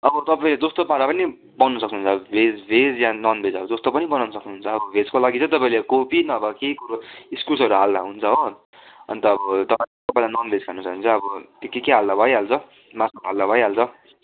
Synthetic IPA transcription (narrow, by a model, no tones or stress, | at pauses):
ʌbʌt̪ʌpaĩled͡zost̪opaɾapʌni | bʌnːʌsʌkniɦunt͡sʰʌbʌbʱed͡zbʱed͡zjanʌnbʱed͡zʌbʌd͡zost̪opʌnibʌnawnʌsʌknuɦunt͡sʰʌːbʌbʱed͡zkolaɡit͡sʰʌt̪̬ʌpaĩlekopinʌːbʌkejkuɾoiskulsʌɾuɦald̪aɦunt͡sʰʌɦo | ʌ̰nit̪ʌːbʌt̪ʌpãĩlt̪opad̪anʌnbʱed͡zkʰanusʌknt͡sʰʌːbʌt̪jokekeɦald̪abʱʌjɦalt͡sʰʌ | masʌkɦald̪abʱʌjɦalt͡sʰʌ